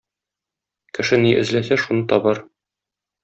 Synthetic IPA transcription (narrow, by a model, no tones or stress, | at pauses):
kɘ̆ʃɘniʔɘ̰̆zlæsæʃunɤt̪ɒbɤɾ